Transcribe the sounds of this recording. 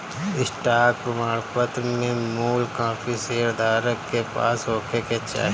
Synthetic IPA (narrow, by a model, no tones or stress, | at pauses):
ɪsʈaːɾk̚pɾəmaːɽpət̪ɾmẽmuːlkãːfʰiseːɾd̪ʱaːɾəkːepa̰ːsɦoːkeket͡ʃa̰ːɦ